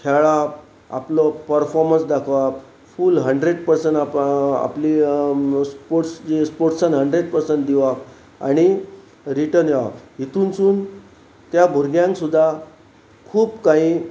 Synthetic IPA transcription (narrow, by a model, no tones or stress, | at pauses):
kʰɛɭap | a̰plɔpəɾfɔɾmənsd̪akʰʋap | fuːlɦəɳɖɾeɽpəɾsəɳaa̰pli | spoɾʈsd͡ʑispoɾʈsãnɦəɳɖɾeɽpəɾsəɳʈd̪iʋa | a̰ɽ̃i | ɾiʈəɾnjʋa̰ɦit̪uːnt͡suːn | t̪jabʱuɾɡjãŋksud̪ʱːa | kʰuːpkaɦiː